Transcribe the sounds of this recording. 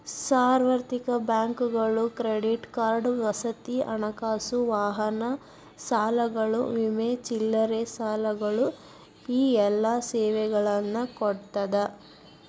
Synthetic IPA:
saːɾʋɐɾt̪ikɐbjaːŋkuɡɐɭukɾeɖiʈkaːɾɖʋɐsɐt̪iɐnɐkaːsuʋaːɦɐnɐ | saːlɐɡɐɭuʋimeːt͡ʃilːɐɾesaːlɐɡɐɭu | iːɛlːasɛːʋɛɡɐɭɐnːɐkɔɽt̪ɐd̪ɐ

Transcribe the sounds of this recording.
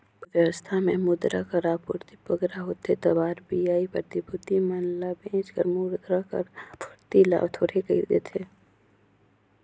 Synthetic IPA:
ʋəɾəst̪ʰamẽmʊd̪ɾa̰kəɾaːpʊɾt̪ibəɡɾaɦoːt̪et̪ɐbaːɾbijaːipəɾt̪ibʱʊt̪imənlabẽːt͡ʃkə̰ɾmʊɾd̪ɾakə̰ɾpʰʊɾt̪ila̰ːbt̪ʰoːʈʰekəḭd̪ḛːt̪ʰeː

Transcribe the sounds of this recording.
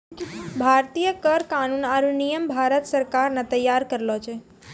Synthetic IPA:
bʱaɾt̪ijəkəɾkanunaɾunijəmbʱaɾət̪səɾkaɾnat̪əjːaɾkəɾlot͡ʃʰe

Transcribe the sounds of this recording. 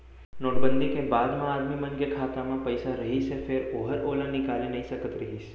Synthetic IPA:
noːʈ̚bənd̪ʱikẽbaːd̪mãaːɾmimənɡjəkʰaːt̪amãpəjsaɾəɦisefeɾoːɦəɾolə̃nɪkalinɐɦĩsəkət̪ɾəɦis

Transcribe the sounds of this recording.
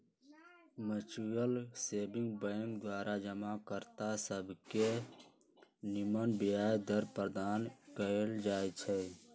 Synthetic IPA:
mət͡ʃujəlsebiŋɡ̚bə̃ŋkd̪waɾʔad͡ʒəmakəɾt̪asəbʱke | nimənbiajd̪əɾpɾəd̪ankəeld͡ʒajt͡ʃʰɛ

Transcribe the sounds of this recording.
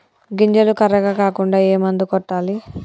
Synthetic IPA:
ɡiɲd͡ʒɐlukɐɾːɐɡakaːkuɳɖaːeːmɐnd̪ukɔʈːaːli

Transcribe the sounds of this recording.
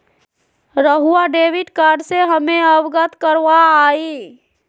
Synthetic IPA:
ɾəɦuaɖeʋiɖkaɖseɦəmeəbɡət̪kəɾʋaːi

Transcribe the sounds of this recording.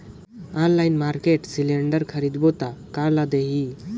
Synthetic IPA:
anlajnmaɾkeʈsilẽɳɖəɾkʰəɾid̪bot̪akaɾlad̪eɦi

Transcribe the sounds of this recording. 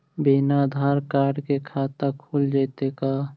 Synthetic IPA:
binad̪ʱaːɾkaːɾɖkekʰaːt̪əkʰuld͡ʒaːt̪eka

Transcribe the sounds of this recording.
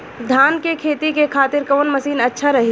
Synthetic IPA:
d̪ʱaːnkekʰeːt̪ikekʰaːt̪ɪɾkɐʋənmɐsiːnɐtːʃʰaɾɐɦi

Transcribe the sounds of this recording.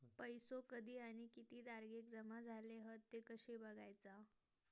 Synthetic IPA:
pəjsokəd̪ʱiːaɽ̃ikit̪iːd̪aɾɡek̚d͡zəmad͡zʱaleɦət̪ːekəɕebəɡajt͡sa

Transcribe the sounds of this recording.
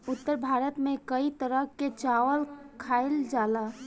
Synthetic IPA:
ʊt̪ːəɾbʱaɾət̪mẽkəit̪əɾəket͡ʃaʋəlkʰaeld͡ʒala

